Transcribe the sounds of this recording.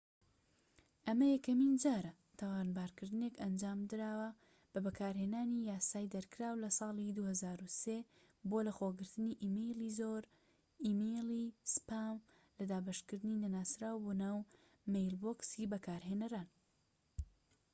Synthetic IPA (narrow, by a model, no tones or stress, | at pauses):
ʔɐmɐjɐkɐmind͡ʒaːɾɐ | t̪ʰawaːnbaːɾkɨɾd̪ɨne̞kɐnd͡ʒaːmd̪ɨɾaːwɐ | b̥ɐbɐkʰaːɾheːnaːnijaːsaːjd̪ɐɾkʰɨɾaːwlɐsˤɑːlˠid̪uhɐzaːɾuse | boːlɐxoːɡɨɾt̪ɨniʔimejlizoɾ | imejlispam | lɐd̪aːbɐʃkɨɾd̪ɨninɐnaːsɾaːwbonaːw | mejlboksibɐkʰaːɾɦeːnɐɾaːn